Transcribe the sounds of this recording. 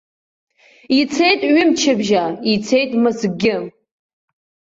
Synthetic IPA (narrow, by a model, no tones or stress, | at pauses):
it͡sʰejtʼɥɪmt͡ʃʰɪbʒait͡sʰejtʼmɨzɡʲɪ